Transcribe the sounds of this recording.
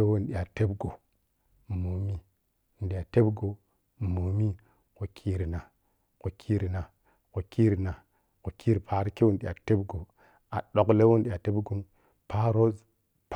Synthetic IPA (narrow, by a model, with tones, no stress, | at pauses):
e˦wo˦n˨ɗi˨ja˨te˦bɡo˨ | mo˨mi˦˨ | n˨ɗi˨ja˨te˦bɡo˨ | mo˨mi˦ | ko˨kʰi˦ɾi˨na˨ | ko˨kʰi˦ɾi˨na˨ | ko˨kʰi˦ɾna˨ | ko˨kʰi˦ɾpʰa˨ɾke˦wo˦˨nɗi˨a˨te˦bɡo˨ | a˨ɗo˨kle˦wo˦n˨ɗi˨a˨te˦bɡu˦m | pa˦ɾo˦z | p